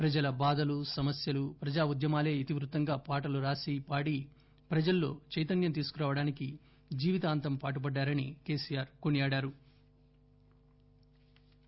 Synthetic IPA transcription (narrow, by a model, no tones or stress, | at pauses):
pɾɐd͡ʒɐlɐbaːd̪ɐlusɐmɐsjɐlupɾɐd͡ʒaːud̪jɐmaːle̞ːit̪iʋɾut̪ːɐŋɡaːpaːʈɐluɾaːsipaːɽi | pɾɐd͡ʒɐlːo̞ːt͡ʃɐjt̪̬ɐnjɐmt̪̬iːsu̥kuɾaːʋɐɽaːniki | d͡ʒiːʋit̪aːnt̪ɐmpaːʈ̬upɐɖːaːɾɐnḭke̞ːsiːjaːɾkonijaːɽaːɾu